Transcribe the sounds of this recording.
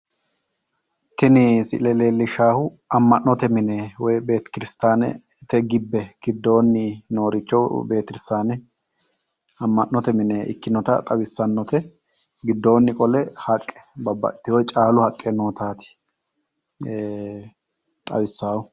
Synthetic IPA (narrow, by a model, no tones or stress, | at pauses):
t̪ɪnɪsɪ̰lɛleːlːɪʃaːhʊ | ɐmːɐnnːɔt̪ɛmɪnɛwɔjbeːt̪kɪɾɪst̪aːnɛ̰ | t̪ɛɡɪbːɛɡ̥ɪd̪ːo̞ːnːɪno̞ːɾɪt͡ʃːɔwbe̞ːt̪ɪɾɪst̪aːnɛ | ɐmːɐʔːɔt̪ɛmɪneːʔɪ̰kːɪnɔt̪ɐ̰t̪ʼɐwɪsːɐnːɔt̪ɛ | ɡɪd̪ːo̞ːnːɪkʼɔlɛhɐkʼːɛ̥bɐbːɐ̰ʔɪt̪ːɪwɔjt͡ʃʼaːlʊhɐkʼːɛno̞ːt̪aːt̪ɪ̥ | t̪ʼɐ̰wɪsːaːwʊ